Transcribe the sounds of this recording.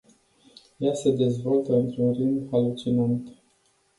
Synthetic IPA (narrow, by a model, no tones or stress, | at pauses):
jase̞d̪e̞zvo̞lt̪əɨnt̪ɾunrɨnd̪alut͡ʃinant̪